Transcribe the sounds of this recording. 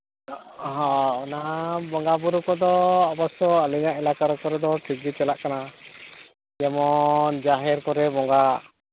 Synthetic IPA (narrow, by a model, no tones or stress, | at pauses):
ɦɔ̃ɔnabɔŋɡabuɾukɔd̪ɔːbɔsɔaliɲaʔɛlakaɾɔkɔɾɛd̪ɔʈʰiɡit͡ʃɛlaʔkana | jɛmɔnd͡ʒaɦɛɾkɔɾɛbɔŋɡa